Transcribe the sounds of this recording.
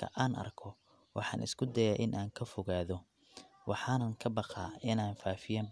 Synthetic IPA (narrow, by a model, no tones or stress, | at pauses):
ɐ̰ʔaːnʔɐ̰rkʰɔ | wʔɑħɑ̰ːnʔɪ̰skʰʊd̪ɐjaːʔɪnʔaːŋkʰɐfɔɣaːðɔ | wʔɑħɑːnɐŋkʰɐbɑqɑːɪnaːnfaːfɪjaːm